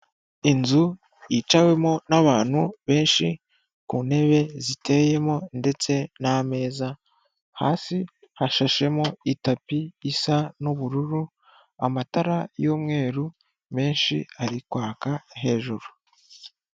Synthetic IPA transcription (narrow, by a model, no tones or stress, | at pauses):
inzu | jit͡ʃawe̞mo̞naβaːn̥huβe̞ːnʃi | kuːne̞βe̞zite̞je̞mo̞nde̞t͡se̞name̞ːza | haːsi | haʃaʃe̞mo̞itapiːsanuβuɾuɾu | amataɾajo̞ːmŋe̞ːɾu | me̞ːnʃḭaɾikwaːkaɦe̞ːʒuɾu